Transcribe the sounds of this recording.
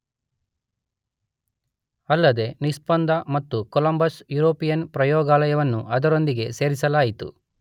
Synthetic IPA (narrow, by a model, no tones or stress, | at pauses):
ɐlːɐd̪e̞nispɐnd̪ʱɐmɐt̪ːukolɐmbɐsjuɾoːpijɐnpɾɐjɔːɡaːlɐjɐʋɐnːuʔɐd̪ɐɾo̞nd̪iɡe̞se̞ːɾisɐlaːjit̪ṵ